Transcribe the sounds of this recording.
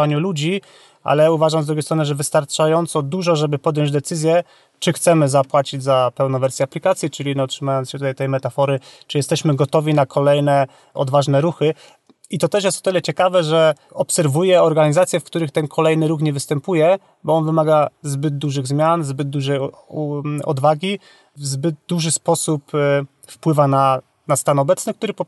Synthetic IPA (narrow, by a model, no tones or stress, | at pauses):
aɲulud͡ʑi | ʔa̰lɛuvaʐamzd̪ɾuɡʲejst̪ɾɔnɨʐɛvɘst̪aɾt͡ʂajɔnt̪sɔd̪uʐɔʐɛbɘpɔd̪jɔ̃ɲd͡ʑd̪ɛt̪sɘzʲjɛ | t͡ʂɘxt̪sɛmɘzapwat͡ɕid͡ʑzapɛwnɔvɛɾsʲjɛaplʲikat̪sʲjit͡ʂɘlʲiɲɛɔtʂɘmajɔnsɕɛt̪ut̪ajt̪ɛjmɛt̪afɔɾɘt͡ʂɘjɛst̪ɛɕmɘɡɔt̪ɔvʲinakʰɔlɛjnɛ | ʔɔ̰d̪vaʐnɛɾuxɘ | it̪ɔt̪ɛʂjɛst̪ɔ̥t̪ɘlɛt͡ɕɛkavɛʐɛɔpsɛɾvujɛɔɾɡaɲizat̪sʲjɛfkt̪uɾɘxt̪ɛnkʰɔlɛjnɘɾuxɲɛvɘst̪ɛmpujɛ | bɔɔnvɘmaɡazbɘd̪̚d̪uʐɘɣzmʲjanzbɘd̪d̪uʐɛj | ɔ̰d̪vaɡʲi | vzbɘd̪̚d̪uʐɘspɔsup | fpwɘvana | nast̪anɔbɛt̪snɘkt̪uɾɘpɔ